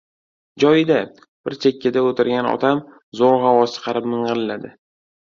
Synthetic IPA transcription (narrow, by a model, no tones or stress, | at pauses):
d͡ʒɒjɪd̪a | b̥ɪɾt͡ʃʰekʲʰːɪd̪aot̪ʰɪɾɡʲanɒ̰t̪ʰam | zoɾʁawɒzt͡ʃʰɨ̥qʰɑɾɪpmɨɴʁɨɾlːad̪ɪ